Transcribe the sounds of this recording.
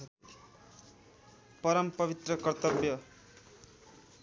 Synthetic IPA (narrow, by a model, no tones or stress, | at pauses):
pʌɾʌmpʌbit̪rʌkʌrt̪ʌbjʌ